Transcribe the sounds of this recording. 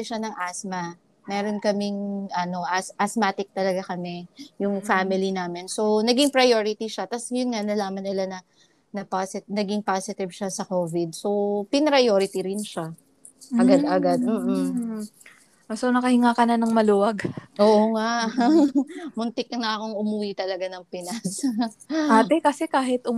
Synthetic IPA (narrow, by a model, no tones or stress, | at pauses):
ɛʃanɐŋʔasmɐ | mɛːɾo̞nkɐmɪŋʔɐno̞ʔasʔɐsmaːt̪ɪk̚t̪ɐlɐɡakɐmɛjʊŋfamɪlinaːmɪnso̞nɐɡɪŋpɾɐjoɾɪt̪iʃat̪ɐsjʊnŋanɐlaːmɐnːɪlanɐ | nɐpasɪnɐɡɪŋpaːsɪt̪ɪvʃasɐkoːvɪd̪̚so̞pɪnɾɐjoːɾɪt̪iɾɪnʃa | ʔɐɡad̪ɐɡad̪̚m̩ːʔ̩ | ʔosonɐkɐhɪŋaːkɐnɐnɐŋmɐluːwɐɡʔoːʔoŋaʔ | mʊnt̪ɪknɐʔɐko̞ŋʔʊmuːwit̪ɐlɐɡanɐŋpɪnas | ʔaːt̪ɛkɐsɛkaːɦɪt̪ʔʊ